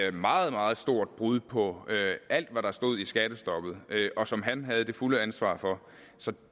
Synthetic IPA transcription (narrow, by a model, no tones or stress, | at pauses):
mɑ̈ːð̩ˠmɑ̈ːð̞̩ˠsd̥o̝ɐ̰d̥̚b̥ʁuð̞ˠpʰɒ̽øʔæl̰d̥ʋæɾ̥ɑsd̥o̝ð̰ˠisɡ̥æɾ̥əsd̥ɒ̽b̥ð̩ˠøʔɒ̽sɒ̽mɦænɦæð̞̩ˠd̥e̝fuləænsʋɑ̰̈ːfɒ̽ | sɒ̽